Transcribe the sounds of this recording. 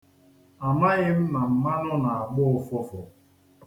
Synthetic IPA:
a˨ma˦ɣɪ˦m̩˦na˨m̩˦ma˦nʊ˦na˨a˨ɡ͡bʊ˦fʊ˦fʊ˨

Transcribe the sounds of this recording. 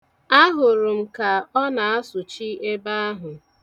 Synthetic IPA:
a˦ɦʊ˨ɾʊ˨m̩˨ka˨ɔ˦na˨a˦sʊ˨t͡ʃi˦ʔe˦ba˦a˦ɦʊ˨

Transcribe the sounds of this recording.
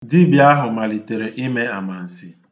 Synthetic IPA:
di˦bi˨a˦ɦʊ˨ma˨li˨te˨ɾe˨ʔi˦me˦a˨ma˨n̩˨si˦

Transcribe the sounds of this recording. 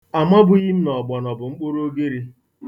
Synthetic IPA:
a˨ma˦bʊ˦ɣi˦m̩˦nɔ˨ɡ͡bɔ˨nɔ˨bʊ˨ŋ͡m̩˦k͡po˦ɾo˦ɡe˦ɾi˦

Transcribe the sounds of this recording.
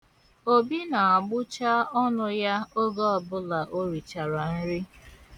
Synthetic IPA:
o˦bi˦na˨a˨ɡ͡bʊ˦t͡ʃa˦ɔ˦nʊ˦ja˦o˦ɡɔ˦ɔ˨bʊ˦la˨ʔo˦ɾi˨t͡ʃa˨ɾa˨n̩˦ɾi˦

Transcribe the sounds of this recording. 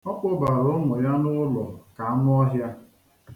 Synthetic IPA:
ɔ˦k͡po˦ba˨ɾo˦ŋʊ˨ja˦nʊ˦lɔ˨ka˨a˦nʊ˦ɔ˦ɦja˦

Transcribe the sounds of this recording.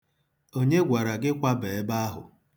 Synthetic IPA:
o˦ɲe˦ɡʷa˨ɾa˨ɡɪ˦kʷa˦be˨e˦ba˦a˦ɦʊ̰˨

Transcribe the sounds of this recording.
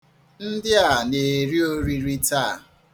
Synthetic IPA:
n̩˦dɪ˦a˨ne˨ɾi˦o˦ɾi˦ɾi˦taː˦˨

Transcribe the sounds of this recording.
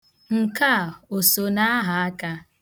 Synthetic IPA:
ŋ̩˨ka˦˨o˨so˨na˦a˦ɦa˨a˦ka˦

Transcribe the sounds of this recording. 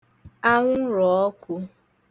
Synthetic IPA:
a˦ŋʷʊ˦ɾɔ˨ɔ˦kʊ˦

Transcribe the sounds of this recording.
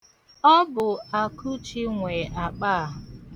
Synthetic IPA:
ɔ˦bʊ˨a˨ku˦t͡ʃi˦ŋʷe˨ʔa˨k͡paː˦a˨ɦ

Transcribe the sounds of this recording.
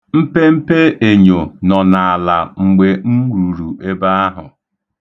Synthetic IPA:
m̩˦pe˦m̩˦pe˦e˨ɲo˨nɔ˨na˨a˨la˨ŋ͡m̩˨ɡ͡be˨ŋ̩˦ɡu˨ɾu˨ʔe˦ba˦a˦ɦʊ˨

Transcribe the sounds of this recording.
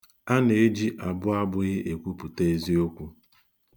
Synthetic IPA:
a˦ne˨e˦d͡ʒi˦ʔa˨bʊ˦a˦bʊ˦ɣɪ˦ʔe˨kʷu˦pu˨te˦e˦zi˦o˦kʷu˦

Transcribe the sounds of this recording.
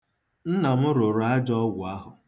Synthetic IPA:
n̩˦na˨m̩˦ɾʊ˨ɾa˦d͡ʒɔ˦ɡʊ˨a˦ɦʊ˨

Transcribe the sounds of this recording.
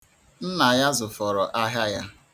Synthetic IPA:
n̩˦na˨ja˦zʊ˨fɔ˨ɾɔ˨ʔa˦ɦa˦ja˦

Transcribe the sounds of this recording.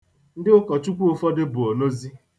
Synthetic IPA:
n̩˦dɪ˦ʊ˦kɔ˨t͡ʃu˦kʷu˦o˨fɔ˦dɪ˦bʊ˨o˨no˦zi˦

